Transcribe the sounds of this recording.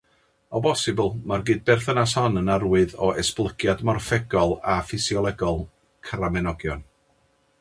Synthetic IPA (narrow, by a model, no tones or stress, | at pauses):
ɔbɔsɪbəlˠmarɡɨːd̚bɛrθənashɔnənarwɨðɔʔɛsplˠəɡjadmɔrfɛɡɔlˠafɪsjɔlˠɛɡɔlˠ | kʰəɾamɛnɔɡjɔn